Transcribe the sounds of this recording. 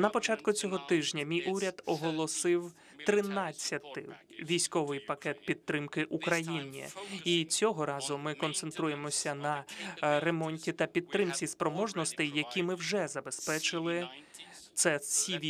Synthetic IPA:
nɐpɔt͡ʃɑt̪kʊt͡sʲɔɦɔt̪ɪʒnʲɐmʲijʔuɾʲɐd̪ɔɦɔlˠɔsɪw | t̪ɾɪnɑt͡sʲːɐt̪ɪ̰ | ʋʲijsʲkɔʋɪjpɐkɛt̪̚pʲid̪̚t̪ːɾɪmkɪʔukɾɐjinʲḭit͡sʲɔɦɔɾɑzʊmɪkɔnt̪sent̪ɾujemɔsʲɐnɐɾemɔnʲtʲit̪ɐpʲid̪̚t̪ːɾɪmt͡sʲispɾɔmɔʒnɔst̪ɪjjɐkʲimɪwʒɛzɐbe̞spɛt͡ʃɪlˠɪ | t̪sɛsʲiʋʲ

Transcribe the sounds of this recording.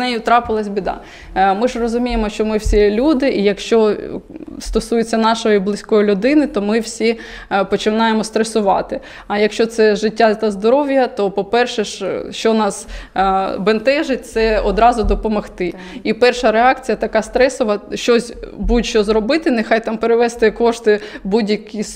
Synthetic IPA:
nɛjʊt̪ɾɑpɪlˠɐsʲbʲid̪ɑ̰ | mɪʒrɔzʊmʲijemɔʃt͡ʃɔmɪwsʲilʲud̪ɪʔijɐkʃt͡ʃɔ | st̪ɔsujʊt͡sʲːɐnɑʃɔjiblˠɪsʲkɔjilʲʊd̪ɪnɪt̪ɔmɪwsʲi | pɔt͡ʃɪnɑjemɔst̪ɾesʊʋɑt̪ɪ | ɐjɐkʃt͡ʃɔt̪sɛʒɪtʲːat̪ɐzd̪ɔɾɔʋjɐt̪ɔpɔpɛrʃɛʃʃt͡ʃɔnɑs | bent̪ɛʒɪt̚ʲt̪sɛɔd̪ɾɑzʊd̪ɔpɔmɔxt̪ɪ | ipɛrʃɐɾeɑkt͡sʲijɐt̪ɐkɑst̪ɾɛsɔʋɐʃt͡ʃɔsʲbuʃt͡ʃɔzɾɔbɪt̪ɪnexɑjt̪ɑmpeɾɪʋɛst̪ɪkɔʃt̪ɪbudʲjɐkʲis

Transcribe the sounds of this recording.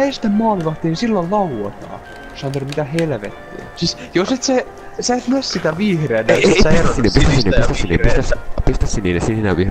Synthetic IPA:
est̪æmmɑːliʋɑht̪ːiːnsilːollɑlot̪ɑ̰ː | osɑnt̪ermit̪æhelʋḛt̪ːḭːsisjoset̪se | sæet̪mæssit̪æʋiːhrenæsæjærsinepist̪æsinːepist̪æsinipist̪æspist̪æssininesininæ̰ʋih

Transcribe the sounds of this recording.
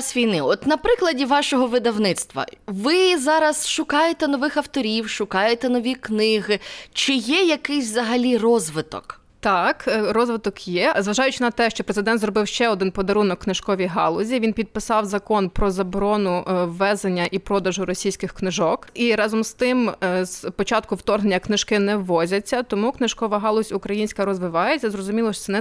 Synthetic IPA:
sʲʋʲijnɪɔt̪nɐpɾɪklˠɐdʲiʋɑʃɔɦɔʋɪd̪ɐwnɪt̪st̪ʋɐ̰ʋɪzɑɾɐsʃʊkɑjet̪ɛnɔʋɪxɐwt̪ɔɾʲiwʃʊkɑjet̪ɛnɔʋʲiknɪɦɪt͡ʃɪjɛjɐkɪsʲzɐɦɐlʲirɔzʋɪt̪ɔ̰k | t̪ɑkrɔzʋɪt̪ɔkjɛzʋɐʒɑjʊt͡ʃɪnɐt̪ɛʃt͡ʃɔpɾezɪd̪ɛnt̪zrɔbɪwʃt͡ʃɛɔd̪ɪnpɔd̪ɐɾunɔkːnɪʒ̥kɔʋʲijɦɑ̰lˠʊzʲiʋʲinpʲid̪̚pɪsɑwzɐkɔnpɾɔzɐbɾɔnʊʋːɛzenʲːɐʔipɾɔd̪ɐʒʊɾɔsʲijsʲkɪxknɪʒɔkiɾɑzɔmst̪ɪmzpɔt͡ʃɑt̪̚kʊwt̪ɔrnenʲːɐknɪʒkɪnɛːɔzʲɐt͡sʲːɐt̪ɔmuknɪʒkɔʋɐɦɑlˠʊzʲʊkɾɐjinʲsʲkɐɾɔzʋɪʋɑjet͡sʲːɐzɾɔzʊmʲilˠɔʃɛnɛ

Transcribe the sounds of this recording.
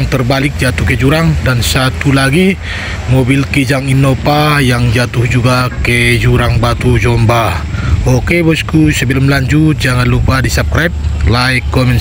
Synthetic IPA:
ŋt̪ərbalɪk̚d͡ʒat̪uhked͡ʒuɾaŋdansat̪ulaɡi | mobilkid͡ʒaŋinopajaŋd͡ʒat̪uhd͡ʒuɡaked͡ʒuɾaŋbat̪ud͡ʒɔmbaokebɔskusəbilumlaɲd͡ʒut̪̚d͡ʒaŋanlupadisap̚kɾap̚laikːɔmɛn

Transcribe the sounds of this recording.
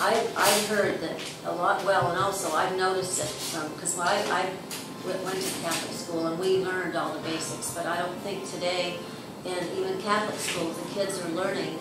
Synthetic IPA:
ʔaɪva̰ɪv̥ɦɜ˞d̪̚ðɨɾ | əlɔt̚wɛlˠə̃nɔlˠsoʊaɪvnoʊɾɨstɨt̚ | ʌ̃kʰʌzwˠaɪa̰ɪv | wɪʔwɛ̃ntʰɨkʰæθlɨ̰kskulˠə̃nwivlɜ̃˞ndɔlˠðəbeɪsɨksb̥ʌɾaɪɾõʊ̃nθɪ̃ŋk̚tʰɨdeɪ | ɨ̃nivɨ̃nkʰæθlɨkskulˠzðɨkʰɪdzə˞lɜ̃˞nɪ̃ŋ

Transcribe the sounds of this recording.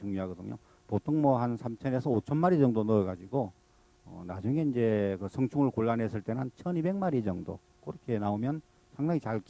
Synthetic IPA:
t͡ɕuŋɲjoɦaɡʌdɯ̰ɲo̰ | potʰoŋmʌɦansʰamt͡ɕʰʌne̞sʰʌot͡ɕʰʌnmaɾid͡ʑʌŋdonɯeɡad͡ʑiɡo | ʌ̰nad͡ʑuŋe̞ind͡ʑe̞kɯsʰʌŋt͡ɕʰuŋɯɭkoɭːanɦe̞s͈ɯɭt͈e̞nɯnt͡ɕʰʌnibe̞k̚maɾid͡ʑʌŋdo̰ | k͈ɯɾʌkʰenaomjʌn | sʰaŋdaŋit͡ɕaɭk

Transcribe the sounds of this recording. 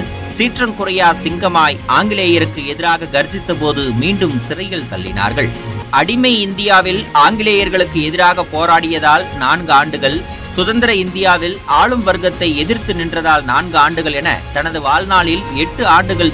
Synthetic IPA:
siːʈrɐmkʊrɐjaːsɪŋɡɐmaːjʔaːŋɡɪleːjɐɾɯkːɯɛðɪɾaːɣɐɡɐɾd͡ʒɪt̪ːɐpoːðɯmiːɳɖɯmsɪrɐɪjɐɭt̪ɐ̰ɭːɪ̰na̰ːɾɣɐɭʔɐɽɪmɐɪɪnd̪ɪjaːʋɪlaːŋɡɪleːjɐɾɣɐɭɯkːɯɛðɪɾaːɣɐpoːɾaːɽɪjɐðaːlnaːnɡɯaːɳɖɯɣɐɭ | sʊðɐnd̪ɪɾɐɪnd̪ɪjaːʋɪlaːɭɯmʋɐɾɣɐt̪ːɐɪɛðɪɾt̪ɯnɪndrɐðaːlnaːnɡɯaːɳɖɯɣɐɭɛnɐ̰t̪ɐnɐðɯʋaːlnaːɭɪlɛʈːɯaːɳɖɯɣɐɭ

